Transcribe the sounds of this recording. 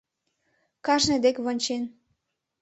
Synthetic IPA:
kɑʒned̪ekβonʲt͡ɕen

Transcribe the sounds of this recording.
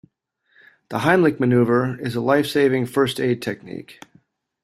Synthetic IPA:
ðəhãɪ̃mlɨk̚mɨnʉvə˞ɪzəlaɪfseɪvɪ̃ŋfɜ˞steɪd̚tʰɛk̚nḭk

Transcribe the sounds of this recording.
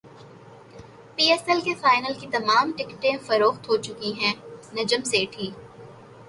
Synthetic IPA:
piːɛsɛlkefaːɪnəlkit̪ɐmaːmʈɪkʈẽfɐɾoːxt̪ɦot͡ʃʊkiɦɛ̃ːnɐd͡ʒəmseːʈʰiː

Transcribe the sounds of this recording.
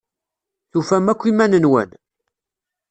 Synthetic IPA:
θufæmækʷːimænənwæ̰n

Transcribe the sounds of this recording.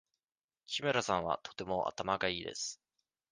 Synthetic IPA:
kʲimeɾasãɰ̃βa̰t̪ʰo̞̥t̪e̞mo̞ʔa̰t̪amaɡaiːd̪e̞̰sɨ̥

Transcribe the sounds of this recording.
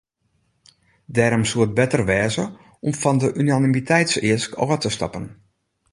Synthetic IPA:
dɛːɾomsuət̚bɛtərʋɛːzə | ɔmfɔndəʔynanimitʰɛjtsɪəskɔ̰ːətəstɑ̰pən

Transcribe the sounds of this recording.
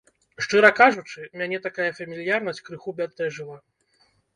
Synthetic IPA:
ʂt͡ʂɨɾɐkaʐut͡ʂɨmʲanʲɛt̪akajɐfɐmʲilʲijarnɐsʲt͡sʲkɾɨxubʲat̪ːɛʐɨlˠa

